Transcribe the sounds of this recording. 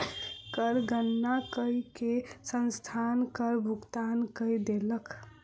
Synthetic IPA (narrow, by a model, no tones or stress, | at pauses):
kəɾɡənːakəikesənst̪ʰankəɾbʱukt̪ankəjd̪elək